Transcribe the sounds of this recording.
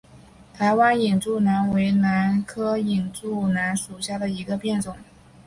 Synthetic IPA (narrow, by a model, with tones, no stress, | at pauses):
t̪ʰa˧˥ɪwa˥ni˨˩ŋʈ͡ʂu˥˩na˧˥nwe˧˥ɪna˧˥nkʰɤ˥i˨˩ŋʈ͡ʂu˥˩na˧˥nʂu˨˩ɕja˥˩d̪ə˩i˧˥ɡə˧pjɛ˥˩nt͡sʊ˨˩˦ŋ